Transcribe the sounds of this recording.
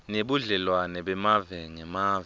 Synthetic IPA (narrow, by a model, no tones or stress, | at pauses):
neɓuɮɛlwanɛɓɛmavɛŋɛmaːv